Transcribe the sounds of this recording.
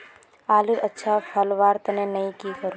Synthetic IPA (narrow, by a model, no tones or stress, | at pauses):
aːlɪɾɐtːʃʰapʰɐlʋaːɾt̪nẽnɐĩkikəɾũ